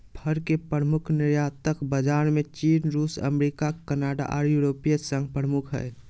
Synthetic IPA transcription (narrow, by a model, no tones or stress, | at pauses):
pʰəɾkepɾəmʊkʰnɪɾjat̪əkbəd͡ʒaːnmẽt͡ʃiːnɾuːsə̰mɾikakənaːɖa̰ʔɔ̰ːɾjuɾoːpijəsə̃ŋɡpɾəmʊkʰɦɛ̰ɛ